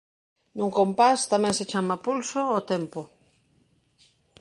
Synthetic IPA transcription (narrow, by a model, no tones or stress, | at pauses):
nũŋkompast̪amɛ̃ŋset͡ʃamapulsoːt̪empo